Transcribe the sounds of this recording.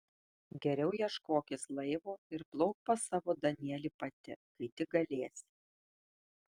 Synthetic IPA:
ɡʲɛɾʲɛʊjiɛʃkoːkʲɪslˠɐɪʋoːɪɾplˠɔʊk̚pɐsɑːʋoːd̪ɐnʲɛːlʲiːpɐt̪ʲɪ̰kɐɪt̪ʲɪɡɐlʲeːsʲ

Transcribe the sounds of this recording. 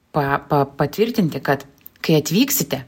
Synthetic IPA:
pɐpɐpɐt̪ʲʋʲɪɾʲt̪ʲɪnʲt̪ʲɪkɐt̪ | kɐɪɐt̪ʲʋʲiːksʲɪt̪ʲɛ

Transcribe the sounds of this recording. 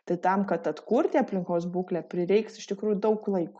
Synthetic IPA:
t̪ɐɪt̪ɐmkɐt̪ɐt̪kurʲt̪ʲɪɐpʲlʲɪŋkoːsbuːklʲæpʲɾʲɪɾʲɛɪksɪʃt̪ʲɪkɾuːjud̪ɐʊklˠɐɪkʊ

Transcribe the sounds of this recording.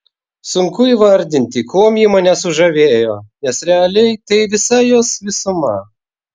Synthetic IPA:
sʊŋkʊiʋɐɾʲd̪ʲɪnʲt̪ʲɪkʰoːmʲjimɐnʲɛsʊʒɐʋʲeːjoːnʲɛsɾʲɛɐlʲɛɪt̪ɐɪʋʲɪsɐjoːsʋʲɪsʊmɐ̰

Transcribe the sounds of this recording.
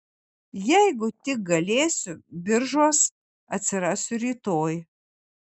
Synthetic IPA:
jɛɪɡʊt̪ʲɪk̚ɡɐlʲeːsʲʊbʲɪɾʒuɔs | ɐt̪ʲsʲɪɾɑːsʲʊɾʲiːt̪oːj

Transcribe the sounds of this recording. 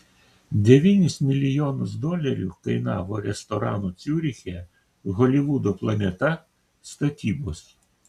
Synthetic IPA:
d̪ʲeʋʲinʲisʲt̪ʲmʲilʲijɔnʊzd̪ɔlʲɐɾʲiwkɐjnɑ̰wɔɾɛst̪ɔɾɑ̰nʊt͡sʲuɾʲixʲɛ | ɣɔlʲiʋud̪ɔplˠɐnʲɛt̪ɐ | st̪ɐt̪ʲibɔs

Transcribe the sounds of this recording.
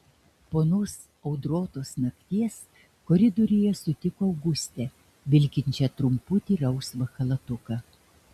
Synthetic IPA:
poːnoːs | ɐʊd̪ɾoːt̪oːsnɐkʲt̪ʲiɛs | koɾʲɪd̪oɾʲɪjɛsʊt̪ʲɪkoːɐʊɡʊsʲt̪ʲɛ | ʋʲɪlʲkʲɪnʲt͡ʃʲɛt̪ɾʊmpʊt̪ʲiːɾɐʊsʋɐxɐlˠɐt̪ʊkɐ

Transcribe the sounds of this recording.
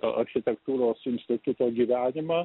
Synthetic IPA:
ʔɐɾʲxʲɪt̪ʲɛkt̪uːɾoːsɪnʲsʲt̪ʲɪt̪ʊt̪oːɡʲiːʋʲæːnʲɪmɑː

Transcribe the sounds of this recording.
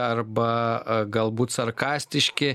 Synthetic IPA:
ɐrbɐɡɐlˠbuːt̪sɐrkɑːsʲt̪ʲɪʃʲkʲɪ

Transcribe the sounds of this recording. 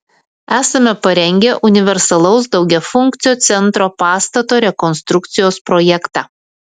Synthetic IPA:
æːsɐmʲɛpɐɾʲɛŋʲɡʲɛʔʊnʲɪʋʲɛɾsɐlˠɐʊsd̪ɒʊɡʲɛfʊŋʲˑkt̪sʲɪjoːt̪sʲɛnˑt̪ɾoːpɑːst̪ɐt̪oːɾʲɛkɔnst̪ɾʊk̚t̪sʲɪjoːspɾoːjɛkt̪ɑː

